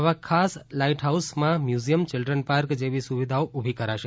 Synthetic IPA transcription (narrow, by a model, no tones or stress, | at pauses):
əʋakʰaslaiʈɦausmãmjuzijəmt͡ʃɪlɖɾənpaɾkd͡ʒeʋisuʋid̪ʱaoʔubʱikəɾaʃe